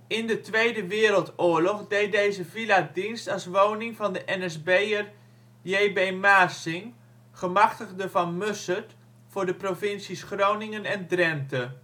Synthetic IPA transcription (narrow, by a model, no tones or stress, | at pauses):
ɪndətʋejdəʋɪːəɾəlˠtʊːlɔχdejt̚dejzəviladinstɑlˠsʋownɪŋvɑndəʔɛnɛsbejər | jeːbemaːsɪŋ | χəmɑχtəɣdəvɑnmøsət | fʊːɹdəprovɪnsisχrownɪŋənɛndrɛmtə